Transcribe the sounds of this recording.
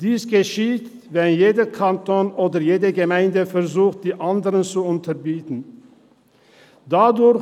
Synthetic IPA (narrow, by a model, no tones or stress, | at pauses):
d̥iːsɡ̥əʃiːt | vɛnjeːdəkʰantoːnʔoːdɐjeːdəɡəmaɪndəfɛʁzuːxt̚d̥iːʔandəʁənt͡suʊntʰɐbiːtn̩ | d̥adʊ